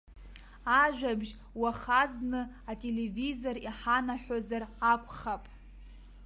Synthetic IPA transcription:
aʒᶣabʒ | waχaznɨ | atʼele̞vizo̞riħanaħᶣozarakʷʰʼχapʼ

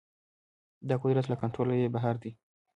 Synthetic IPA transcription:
d̪ɑkʊd̪ɾat̪lakaɳʈɾolajebaɦaɾd̪i

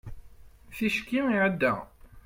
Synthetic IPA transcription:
θiʃkːimiʕəd̪ːæ̰

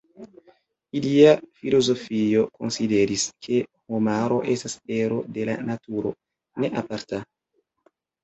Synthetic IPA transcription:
iliafilo̞zo̞fijo̞ko̞̰nside̞ɾiskʰe̞homaɾo̞ʔe̞stase̞ɾo̞de̞la̰natuɾo̞̰ | ne̞ʔapaɾta

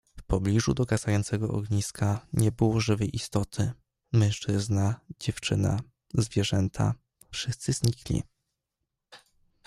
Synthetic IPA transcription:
fpɔblʲiʐud̪ɔɡazajɔnt̪sɛɡɔʔɔ̰ɡɲiskaɲɛbɘwɔʐɘvɘʔist̪ɔt̪ʰɘ | mɛ̃ñʂt͡ʂɘznad͡ʑɛft͡ʂɘna̰ | zvʲjɛʐɛnt̪ʰa̰ | fʂɘst̪sɘzɲiklʲḭ

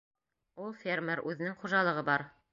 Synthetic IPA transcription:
ulˠfʲermʲeɾʔʉðɘ̆nɘŋχuʒɑlˠɤ̆ʁɤbɑɾ

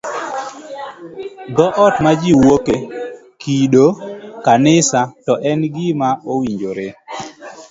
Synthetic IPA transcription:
ɡɔʔɔtmad͡ʒiwoke | kiɗokanɪsatɔʔɛnɡɪmaowiɲd͡ʒoɾe

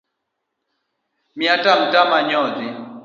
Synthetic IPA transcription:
mjatam̩tamaɲɔdi

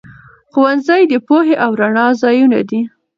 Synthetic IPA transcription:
xowanzajd̪əpoɦeʔawɾaɳɑzɑjuna̰d̪i

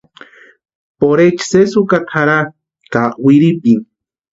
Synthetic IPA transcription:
poɾet͡ʃsesukak̪ʰaɾa | kawiɾipiŋ

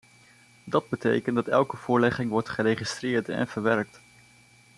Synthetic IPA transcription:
dɑd̚bətḛjkəndɑtɛlˠkəv̥ʊːɹlɛχɪŋʋɔɹtχəɾejχistrɪːɹtɛ̰nv̥əɹʋɛɹk̚t

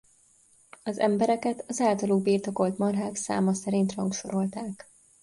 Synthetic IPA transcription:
ɒzɛ̰mbɛɾɛkɛt̪ɒzaːlt̪ɒluɡ̚biːrt̪o̞ko̞lt̪mɒrɦaːksa̰ːmɒsɛɾint̪rhɒŋkʃo̞ɾo̞lt̪aːk

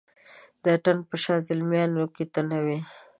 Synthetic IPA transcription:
d̪əʈanpəʃɑzɪlmjɑnoket̪anawi

